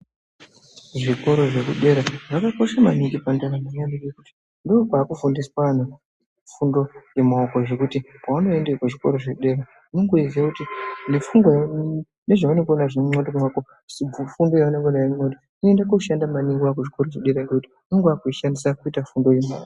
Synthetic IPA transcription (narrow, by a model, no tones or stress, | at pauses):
ʐiko̞ɾo̞ʐe̞kuɗe̞ɾaʐakako̞ʃamaniŋɡipandaɾamaɲaniɡekuti̥ | ndoːpaːkufundiswaan̤u | fundo̞je̞maokoʐe̞kutipauno̞endekwaʐiko̞ɾo̞ʐekuɗe̞ɾa | ineŋɡoiziakutine̞fuŋɡwaj | ne̞ʐaanekonaʐeŋ͡ǀodomako | siufundo̞jaaneŋɡonajamodo | niendakuʃandamaniŋɡiak̬uʐiko̞ɾoʐeɗe̞ɾanɡekuti̥ | niŋɡakuiʃanisakuitafundo̞jema̰ko